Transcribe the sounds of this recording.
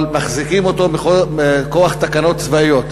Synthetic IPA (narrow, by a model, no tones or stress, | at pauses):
lmaχzikimo̞t̪o̞meoeko̞aχt̪akano̞t̪t͡svaijo̞t̪